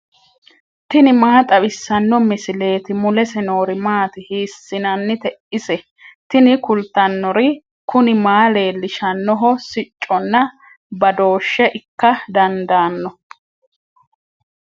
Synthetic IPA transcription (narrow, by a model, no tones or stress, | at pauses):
t̪ɪnɪmaːt̪ʼɐbɪsːɐnːɔmɪsɪle̞ːt̪ɪmʊlɛsɛno̞ːɾɪmaːt̪ɪhiːsːɪnɐnːɪt̪ɛʔɪsɛ | t̪ɪnɪkʊlt̪ːɐnːɔɾɪ | kʊnɪmaːle̞ːlːɪʃɐnːɔɦɔsɪt͡ʃʼːɔnːɐ | bɐd̪o̞ːʃːɛʔɪkːɐd̪ɐnd̪aːnːɔ